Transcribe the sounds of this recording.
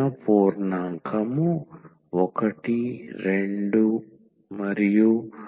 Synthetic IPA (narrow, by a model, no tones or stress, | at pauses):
ɐpoːɾnaːŋkʰɐmu | ɔkɐʈiɾeɳɖu | mɐɾiju